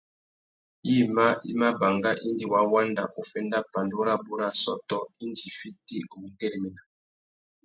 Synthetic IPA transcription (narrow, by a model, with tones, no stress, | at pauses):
i˦ma˦ḭ˦ma˦ba˨ŋɡa˦ʔi˦ndi˨wa˨˦wa˦nda˨ʔo˨fɛ˦nda˦pa˨ndo˦ɾa˦bu˦ɾa˦˨sɔ̰˦tɔ˨i˦ndi˨fi˦ti˦ɡu˨ŋ̩˦ɡɛ˦lmi˨na˨